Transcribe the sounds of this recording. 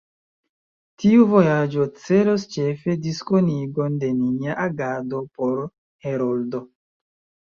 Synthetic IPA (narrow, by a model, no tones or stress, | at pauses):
tiuvo̞jad͡ʒot͡se̞lost͡ʃe̞fe̞diskoniɡo̞nde̞niniaʔaɡado̞poɾ | heɾoldo